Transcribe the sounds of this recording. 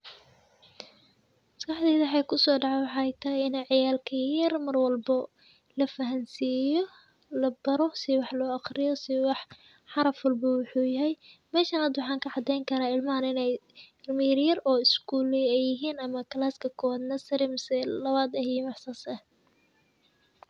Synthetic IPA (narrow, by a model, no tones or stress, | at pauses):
mɐskʰɑħd̪ɛːðɐħɛjkʰʊsɔːɖɑʕɛwɑħɑːɛjt̪ʰɐɦɪjɪnɛʕɑjaːlkʰɐjɐrmɐrwɐlbɔ | lɐfɐɦɐnsiːjɔ | lɐbɐɾɔsɪwɑħlɔːɑxrɪjɔsɪwɑħ | ħɑɾɐfwɐlbɐwʊħuːjɐɦɛjmɛːʃɐnɐd̪wɑħɑːŋkʰɐʕɑd̪ɛjŋkʰɐɾaːɪlmɐɦɐnɪnɛjɪrmɐjɐrjɐrɔːɪskʰuːlɛɛjɪɦiːnɐmɐkʰɐlaːskʰɐkʰɔwaːd̪nɐsɐɾɪmsɛlɐβaːd̪ɐhimɑħsɐsɐ